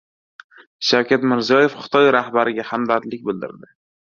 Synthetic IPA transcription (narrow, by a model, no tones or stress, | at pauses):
ʃawkʲat̪mɪɾzijɒje̞fχʊ̥t̪ʰɒjɾahbaɾɪɡʲahamd̪at̪lɪk̚ʲbɪld̪ɪ̰ɾd̪ɪ